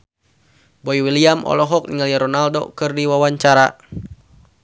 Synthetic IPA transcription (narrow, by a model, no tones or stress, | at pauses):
bɔiwiliamʔɔ̰lɔɦɔk̚niŋalijaɾɔnaldo̰kɨrdiwawaɲt͡ʃaɾa